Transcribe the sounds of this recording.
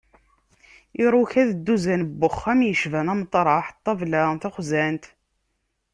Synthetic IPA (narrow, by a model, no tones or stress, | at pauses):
iɾˤuçæðəd̪ːuzænbːʊχːæmjəʃvænæmət̪ˤːɾˤɑħt̪ˤːɑvlæθæχzænt̪